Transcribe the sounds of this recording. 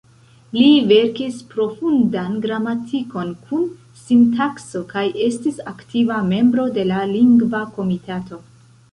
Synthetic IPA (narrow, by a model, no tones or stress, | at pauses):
live̞ɾkispɾo̞fundanɡɾamatʰiko̞nkʰun | sintakso̞kaje̞stisaktʰivame̞mbɾo̞de̞laliŋɡvako̞mitato̞